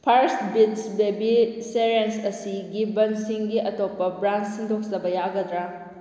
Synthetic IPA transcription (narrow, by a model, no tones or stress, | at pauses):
pʰaɾsbitsbebiseɾensɐsiɡibɐnsiŋɡiʔɐtopːɐbɾansiŋdok̚sɐbɐjaɡɐdɾa